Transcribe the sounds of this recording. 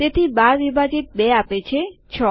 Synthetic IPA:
t̪et̪ʰibaɾʋibʱad͡ʒit̪̚bɛapet͡ʃʰet͡ʃʰɔ

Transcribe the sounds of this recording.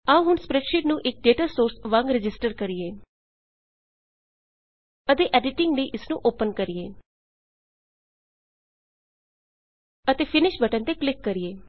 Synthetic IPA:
aũːɦʊnspɾɛːʈʃɪʈnũːʔɪk̚ɖeːʈaːsoːɾsʋãŋɡɾɪd͡ʒɪsʈəɾkəɾijeː | ət̪eːʔɛːɖɪʈɪŋɡleiːʔɪsnũːʔoːpənkəɾɪjeː | ət̪eːpʰɪnɪʃbəʈənt̪eːklɪkːəɾieː

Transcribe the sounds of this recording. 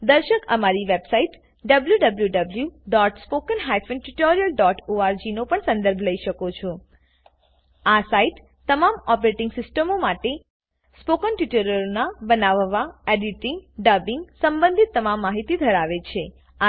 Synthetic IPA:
d̪əɾʃəkəmaɾiʋebsaiʈ | ɖəbljuɖəbljuɖəbljuɖɔʈspokənɦajfənʈuʈɔɾijəlɖɔʈoaɾd͡ʒinopəɳsə̃nd̪əɾbʱləiʃəkot͡ʃʰo | asaiʈ | t̪ːəmamɔpɾeʈɪ̃ŋɡsɪsʈəmomaʈe | spokənʈuʈəɾəɾnabənaʋʋaeɖiʈɪ̃ŋɡɖəbɪŋɡsəmbə̃nd̪ʱit̪ːəmamːaɦit̪id̪ʱəɾaʋet͡ʃʰe | a

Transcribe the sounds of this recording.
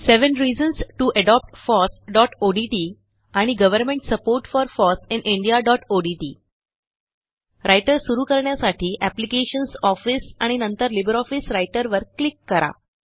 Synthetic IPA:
seʋənɾiːd͡ʑənsʈuʔəɖɔp̚ʈfɔsɖɔʈoɖiʈiː | aɽ̃iɡəʋəɾmẽɳʈsəpoɾʈfɔɾfɔsĩnʔĩɳɖijaɖɔʈoɖiʈḭː | ɾʔajʈəɾsuɾuːkəɾɳjasaʈʰiːʔæplikeɕənsɔfisaɽ̃inənt̪əɾlibəɾɔfisɾajʈəɾʋəɾklikːəɾa̰

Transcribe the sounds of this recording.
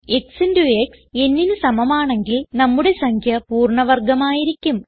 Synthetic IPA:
e̞ksinduekse̞nːinɨsɐmɐmaːɳe̞ŋɡilnɐmːuɽe̞sɐŋkʰjɐpuːrɳɐʋɐrɡɐmaːjiɾikʲːum

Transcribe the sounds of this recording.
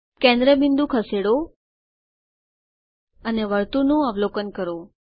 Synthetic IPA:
kɛ̃nd̪ɾəbind̪ũkʰəseɽo | əneʋəɾt̪unũəʋlokənkəɾo

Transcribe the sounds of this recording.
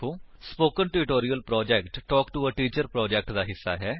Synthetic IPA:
oːspoːkənʈuɾɪʈoːɾijəlpɾɔːd͡ʒɛkʈːɔːkʈuəʈiːt͡ʃəɾpɾɔːd͡ʒɛːk̚ʈd̪aːɦɪsːa̰ːɦɛː

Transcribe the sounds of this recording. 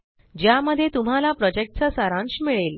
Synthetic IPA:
d͡ʑjaməd̪ʱːjet̪um̤alapɾɔd͡ʑek̚ʈ̚t͡sasaɾãnɕimiɭel

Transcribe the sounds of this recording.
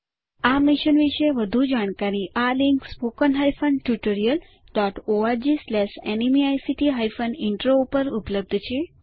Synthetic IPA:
amiʃənʋiʃeʋəd̪ʱud͡ʒaɽ̃kaɾiʔaliŋkspokənɦajfʰənʈjuʈoɾijəl | ɖɔʈoaɾd͡ʒislɛʃɛnimiajsiʈiɦajfənɪɳʈɾoupəɾupləb̚d̪ʱt͡ʃʰe

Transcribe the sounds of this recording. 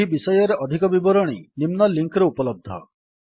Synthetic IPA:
ibisɔjɔɾeʔɔd̪ʱikɔbibɔɾɔɽ̃ḭnimnɔliŋkɾeupɔlɔb̚d̪ʱɔ̰

